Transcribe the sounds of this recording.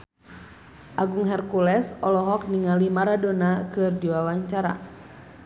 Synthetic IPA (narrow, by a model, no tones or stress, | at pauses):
ʔaɡuŋɦɛrkulɛsɔlɔɦɔk̚niŋalimaɾadɔnakɨrdiwawaɲt͡ʃaɾa̰